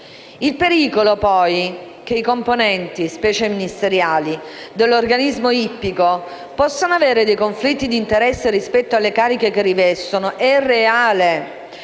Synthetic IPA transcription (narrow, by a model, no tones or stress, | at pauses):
ilpeɾiːkolopɔj | k̟eikomponɛnt̪ispɛːt͡ʃeminist̪eɾjaːlid̪elːorɡanizmoipːiko | pɔsːonoaveːɾed̪ejkoɱflit̪ːid̪int̪eɾɛsːeɾispɛt̪ːoalːekaːɾikekerivɛst̪onoʔɛrːeaːle